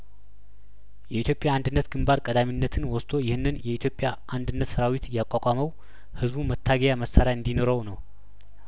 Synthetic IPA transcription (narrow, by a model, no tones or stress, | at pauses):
jɛit̪ʰjo̞pʼːjaːnd̪ɨnːət̪ɡ̥ɨmbaɾkʼəd̪aminːət̪ʰɨnwɔst̪ʰo̞jɪhɨnːɨnjɛit̪ʰjo̞pʼjaʔand̪ɨnːət̪səɾawit̪jakʼakʼaməw | hɨzβumət̪ʰːaɡəjaməsːaɾjaɨnd̪ino̞ɾəwnəw